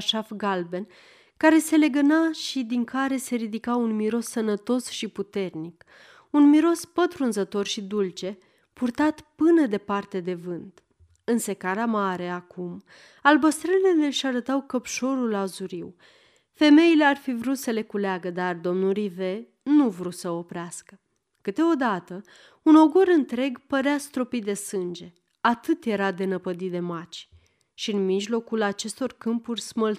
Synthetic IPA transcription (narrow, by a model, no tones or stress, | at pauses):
ʃafɡalbe̞n | kaɾe̞se̞le̞ɡənaʃid̪iŋkʰaɾe̞se̞ɾid̪ikaunmiɾo̞sːənət̪o̞sʃiput̪e̞rnik | unmiɾo̞spət̪ɾunzət̪o̞rʃid̪ult͡ʃe̞ | purt̪at̪pɨnəd̪e̞part̪e̞d̪e̞vɨnt̪ | ɨnse̞kaɾamaɾe̞akum | albəst̪ɾəlile̞leʃaɾət̪awkəpʃo̞ɾulazuɾiw | fe̞me̞ile̞arfivɾut̪səle̞kuleaɡəd̪ard̪o̞mnulɾive̞ | nuvɾusəopɾeaskə | kɨt̪e̞o̞d̪at̪ə | uno̞ɡoɾɨnt̪ɾe̞ɡpəɾeast̪ɾo̞pid̪e̞sɨnd͡ʒe̞ | at̪ɨt̪je̞ɾad̪e̞nəpəd̪it̪d̪e̞mat͡ʃ | ʃiɨnmiʒlo̞kulat͡ʃe̞st̪o̞rkɨmpurʲsməl